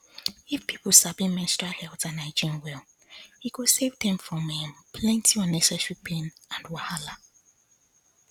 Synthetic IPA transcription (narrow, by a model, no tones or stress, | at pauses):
ifpʰipʰəlsabĩmɛ̃stahɛltãnaɪd͡ʒĩnwɛl | hikusevdɛ̃mfɔ̃mĩnpʰlɛ̃ntʰiɔnɛsaʃipĩnãndwahala